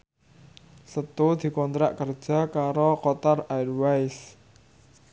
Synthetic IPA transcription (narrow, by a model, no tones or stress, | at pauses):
sət̪ud̪̥i̤kɔnt̪ɾa̰ʔkərd̥ʒ̥ä̤kaɾokɔt̪arajwajs